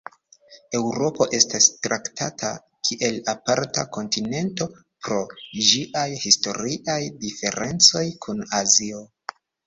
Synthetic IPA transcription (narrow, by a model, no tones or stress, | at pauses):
e̞wɾo̞po̞ʔe̞stastɾʔaktʰatʰa̰ | kʰiʔe̞lapaɾtako̞ntine̞nto̞ | pɾo̞d͡ʒiʔajhisto̞ɾiʔajdife̞ɾe̞nt͡so̞jkʰunazio̞